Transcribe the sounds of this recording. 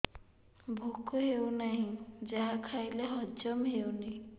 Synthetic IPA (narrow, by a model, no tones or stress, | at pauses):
bʱukɔɦewnaɦĩd͡ʒaɦakʰajleɦɔd͡ʒɔmɦewni